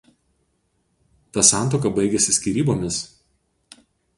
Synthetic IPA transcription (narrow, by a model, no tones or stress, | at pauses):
t̪ɑsɑˑnt̪oːkɐbɐɪɡʲɛsʲɪsʲkʲiːɾʲiːboːmʲɪs